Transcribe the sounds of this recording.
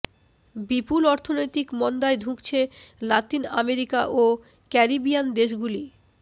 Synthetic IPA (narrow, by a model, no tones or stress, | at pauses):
bipulɔɾt̪ʰonojt̪ikmɔnd̪aed̪ʱukt͡ɕʰelat̪ina̰meɾikaʔo | kɛɾibiand̪eʃɡuli